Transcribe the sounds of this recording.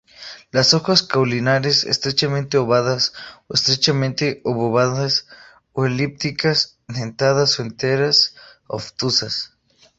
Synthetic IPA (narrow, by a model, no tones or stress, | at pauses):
lasoxaskawlinaɾesḛst̪ɾet͡ʃamẽnt̪eoβaðasoest̪ɾet͡ʃamẽnt̪eoβoβaðas | oelip̚t̪ikas | nent̪aðasoent̪eɾas | o̰ft̪usas